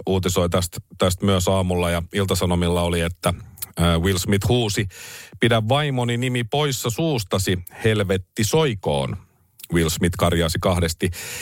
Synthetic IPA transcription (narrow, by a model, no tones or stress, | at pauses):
uːt̪isoit̪æst̪t̪æst̪myøsɑːmulːɑjɑilt̪ɑsɑnomilːɑoliet̪ːæːwilsmit̪huːsipidæʋːɑimoninimipo̞jsːɑsuːst̪ɑsihelʋet̪ːiso̞jko̰ːn | wilsmit̪kɑrjɑːsikɑhdest̪i